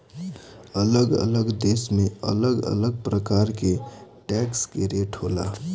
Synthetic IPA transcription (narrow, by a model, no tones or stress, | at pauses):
ələɡə̰ləɡd̪eːsmẽə̰ləɡə̰ləɡ̚pɾəkaːɾkeʈɛːkskeɾeʈɦola̰